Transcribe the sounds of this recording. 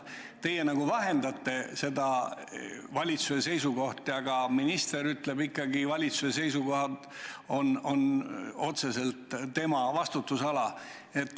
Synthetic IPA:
t̪e̞je̞nɑɡ̥uvɑɦe̞nd̪ɑt̪ːe̞se̞d̪ɑ | vɑlʲit̪suese̞jsuɡo̞ht̪jɑɡ̥ɑminist̪e̞ɾyt̪le̞bikːɑɡivɑlʲit̪suses̬e̞jsuɡo̞ɦɑd̪ | o̞no̞no̞t̪se̞se̞lt̪t̪ːe̞mɑvɑst̪ut̪ːˑusɑlɑ | e̞t̪ːˑ

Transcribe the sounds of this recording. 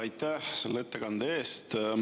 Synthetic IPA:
ɑjt̪ːæhse̞lːee̞t̪ːekɑnd̪̥ee̞ːst̪

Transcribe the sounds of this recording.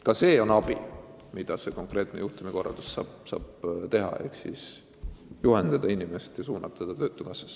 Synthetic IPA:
kɑse̞ːo̞nɑbi | mid̪̥ɑse̞ko̞ŋkˑre̞ːt̪ˑnejuht̪umiko̞rɑ̰ld̪̥ussɑsɑ̰ːb̥t̪e̞ɦɑ̰e̞hksis | juɦend̪̥ɑd̪̥ɑinime̞st̪jɑsuːnɑb̥̚t̪ɑd̪̥ɑt̪øːt̪ːˑukɑsːɑ̥s

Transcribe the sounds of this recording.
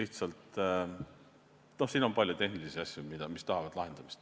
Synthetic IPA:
iht̪sɑlt̪ | no̞hsiːno̞mpɑlʲjut̪e̞hnilisiɑsʲjumid̪ɑmist̪ɑɦɑvɑd̪̥lɑɦe̞nd̪̥ɑmist̪

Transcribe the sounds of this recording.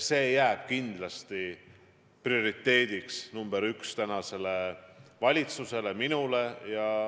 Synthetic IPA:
se̞ːjæːb̥̚kind̪̥lɑst̪i | prio̞ɾit̪ːˑe̞ːd̪̥iksnumb̥eɾykst̪ænɑse̞le̞vɑlʲit̪suse̞le̞minule̞jɑ

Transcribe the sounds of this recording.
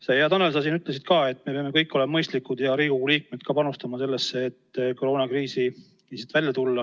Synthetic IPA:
sejɑt̪ɑnels̬ɑs̬iːnyt̪ˑles̬id̪̚kɑːe̞t̪ːˑme̞peɑme̞kɤjkːo̞lemɑmɤjst̪likːˑud̪̥jɑɾiːɡuliːk̚med̪̥̚kɑːpɑnust̪ɑmɑse̞lːe̞sːeːt̪ːkoɾo̞ːnɑkriːsi | iset̪vælʲjɑt̪ulːɑ

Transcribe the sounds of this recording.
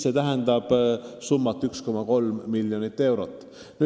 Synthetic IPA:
se̞t̪æɦend̪̥ɑb̥sumːɑt̪ːˑyksko̞mɑko̞lmːiljonit̪ːˑe̞wɾo̞t̪ːˑ | ny

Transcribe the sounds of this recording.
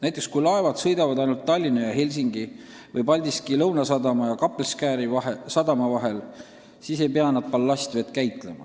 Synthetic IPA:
næjt̪ːˑekskujlɑe̞vɑd̪̥sɤ̞jd̪̥ɑvɑd̪ɑjnult̪ːɑlʲːinɑjɑhe̞lʲsiŋɡ̥i | vɤjpɑlʲd̪iskilɤwnɑsɑd̪ɑmɑjɑkɑpːˑelskæːɾivɑɦesɑd̪ɑmɑvɑɦe̞l | siːse̞jpeɑnɑd̪̚pɑlːɑsʲt̪ve̞t̪̚kæjt̪ˑle̞mɑ̰

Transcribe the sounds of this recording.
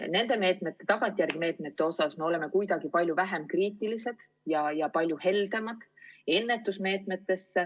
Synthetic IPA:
ne̞nd̪̥e̞me̞ːt̪ˑme̞t̪ːˑe̞t̪ɑɡ̥ɑnt̪ʲˑjærɡ̥ime̞ːt̪ˑme̞t̪ːe̞o̞sɑsme̞o̞le̞me̞kujd̪̥ɑɡ̥ipɑlʲjuvæɦe̞mkriːt̪ːˑilise̞d̪̥ | jɑjɑpɑlʲjuhe̞ld̪̥emɑd̪̥e̞nːe̞t̪ːˑusme̞ːt̪ˑme̞t̪ːe̞sːe

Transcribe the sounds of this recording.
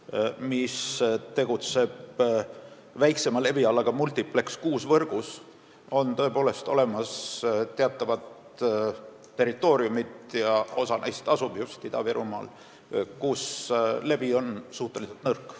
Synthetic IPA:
mist̪e̞ɡ̥ut̪se̞b̚ | væjkse̞mɑle̞biɑlːɑɡ̥ɑmult̪iplekskuːsvɤrɡ̥us | o̞nt̪ɤ̞e̞po̞ːle̞st̪o̞̰le̞mɑst̪eɑt̪ːˑɑvɑt̪ | e̞rit̪ːˑo̞ːɾiumit̪jɑo̞sɑnʔɑ̰jst̪ɑsubjust̪id̪̥ɑveɾumɑ̰ːl | kusle̞bio̞nsuht̪ːˑe̞liselt̪nɤrkːˑ

